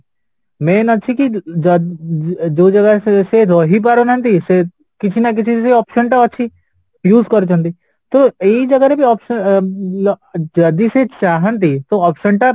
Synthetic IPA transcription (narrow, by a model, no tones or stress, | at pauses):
mẽːnɐt͡ʃʰikid͡ʒ | d͡ʒoːd͡ʒɐɡasesed̪ʱoɦipaɾonə̃nt̪ise | kɪt͡ʃʰinak̬ɪt͡ʃʰiseɔːpʃənʈaəːt͡ʃʰi | juːzkəɾt͡ʃʰõnt̪i | t̪oed͡ʒɐɡaɾebiɔːpʃə | d͡ʒɐd̪iset͡ʃaːɦənt̪̬it̪oɔːpʃənʈa